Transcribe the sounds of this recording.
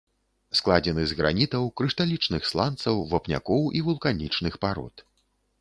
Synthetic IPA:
sklˠad͡zʲɛnɨzɣɾa̰nʲit̪ɐwkɾɨʂt̪alʲit͡ʂnɨxslˠant̪sɐwvapnʲa̰kɔwʔivulˠkanʲit͡ʂnɨxpaɾɔ̰t̪

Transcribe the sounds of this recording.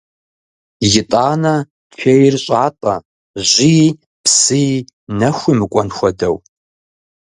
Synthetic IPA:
jɪtʼaːnɐ | t͡ɕʰᶣejrɕʼaːtʼɐ | ʑʷi | psɨ | nɐxʷimɨkʷʼɔnxʷɔdɐw

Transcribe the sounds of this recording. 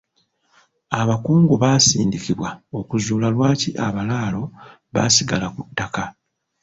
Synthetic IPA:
aβakuːŋɡuβaːsḭːndikiβwao̞kuzuːlalwaːciʔaβalaːlo̞ | βa̰siɡalakutːaka

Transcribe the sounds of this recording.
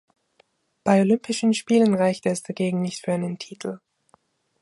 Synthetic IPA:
b̥aɪolʏmpɪʃn̩ʃpiːlənʁaɪçtɛsd̥aɡeːɡŋ̩nɪçtfyːɐʔaɪnəntʰiːtʰl̩

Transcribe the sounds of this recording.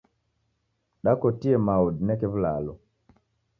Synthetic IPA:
ɗakɔtiɛmaudnɛkɛvlalɔ

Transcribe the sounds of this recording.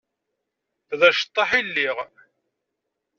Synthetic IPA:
θðæʃə̥t̪ˤːɑħilːiʁ

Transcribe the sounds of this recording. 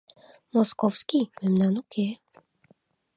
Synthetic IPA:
mɔskɔwskimɛmnanuke

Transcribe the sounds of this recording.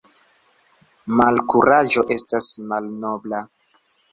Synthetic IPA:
malkuɾaʒo̞ʔe̞stasmalnobla

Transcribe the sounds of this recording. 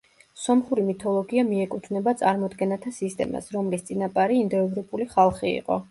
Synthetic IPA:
sɔmχuɾimit̪ʰɔlˠɔɡiamiɛkʼut̪ʰvnɛbat̪sʼaɾmɔd̪ɡɛnat̪ʰasist̪ʼɛ̰ma̰sɾɔmlist̪sʼinapʼaɾiːnd̪ɔɛvɾɔpʼuliχalˠχiḭqʼɔ̰

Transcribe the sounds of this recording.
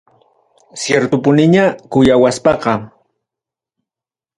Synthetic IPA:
sjeɾt̪ʊpʊnɪɲakʊjawaspɑqɑ

